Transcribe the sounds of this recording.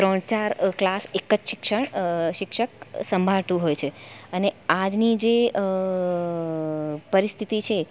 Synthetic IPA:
t̪ɾəɳt͡ʃaɾklasekːəd͡ʒʃɪkʃəɳʃɪkʃək̚səmbʱaɭt̪ũɦojt͡ʃʰeənead͡ʒnid͡ʒeə | pəɾist̪ʰit̪it͡ʃʰe

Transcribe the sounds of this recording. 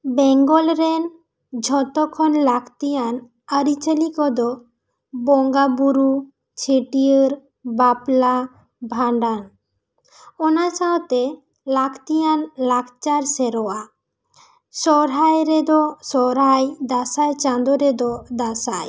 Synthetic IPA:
bɛŋɡɔlɾen | d͡ʒʱɔt̪ɔkʰɔnlakʰt̪ijan | aɾit͡ʃalikɔd̪ɔ | bɔŋɡabuɾu | t͡ʃʰeʈiəɾ | bapla | bʱaɳɖan | ɔnat͡ʃawt̪e | lakʰt̪ijanlakʰt͡ʃaɾseɾɔa | sɔɾɦajɾed̪ɔsɔɾɦajd̪asajt͡ʃand̪oɾed̪ɔd̪asaj

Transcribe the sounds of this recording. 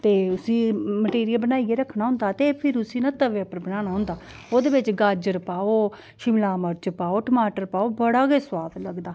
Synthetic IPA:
t̪eːʊsĩːməʈeːɾiəlbənaːieːɾəkʰnãːɦʊ̃nd̪aːt̪eːpʰɪɾʊsiːnãːt̪əʋeːəpəɾbənaːnaːɦʊ̃nd̪aː | oːd̪eːbɪt͡ʃɡəd͡ʒəɾpaːoː | ʃɪmlaːməɾt͡ʃpaːoːʈəmaːʈəɾpaːoːbəɽaːɡeːswaːd̪ləɡd̪aː

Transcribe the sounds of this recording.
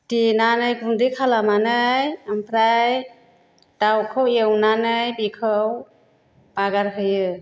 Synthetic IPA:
tinanɯjkundikʰalamanɯjampʰɾaj | dawkʰɯwewnanɯjbikʰɯw | baɡaɾɦɯjɯ

